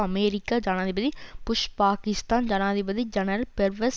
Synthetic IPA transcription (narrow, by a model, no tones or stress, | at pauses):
ɐmeːɾikːaːd͡ʒaːnãːd̪ibɐðipʊʃpaːkɪst̪aːnd͡ʒaːnãːd̪ibɐd̪id͡ʒɐnɐɾpeɾʋɐs